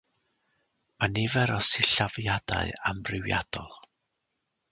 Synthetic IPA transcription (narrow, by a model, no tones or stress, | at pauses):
manɪvɛɾɔsɪɬavjad̥a̰ɨamrɪwja̰d̥ɔlˠ